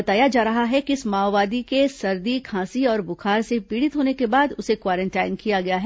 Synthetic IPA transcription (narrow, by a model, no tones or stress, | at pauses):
ɐt̪aːjad͡ʒaːɾɐɦaɦɛkiɪsmaːwːaːd̪ikesɐɾd̪ikʰãːsiɔːɾbʊkʰaːɾsepiːɽɪt̪ɦoːnekebaːd̪ʊsekwaːɾə̃ɳʈaːɪnkijaɡɐjaɦɛ